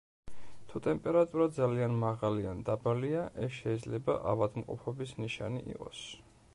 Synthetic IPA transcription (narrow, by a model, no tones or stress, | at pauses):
t̪ʰut̪ʼɛmpʼɛɾat̪ʼuɾad̪zalianmaʁaliand̪abaliaʔɛsʃɛid̪zlɛba̰ʔa̰vad̪mqʼɔ̰pʰɔbismniʃa̰nḭʔḭqʼɔs